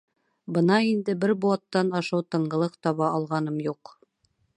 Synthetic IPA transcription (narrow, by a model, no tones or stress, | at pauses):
bɤnɑind̪ɘbɘɾbuɑt̪ːɑnɑʃɑwt̪ɤ̆ɴɢɤ̆lˠɤqt̪ɒβɑʔɑlˠʁɑnɤmjuq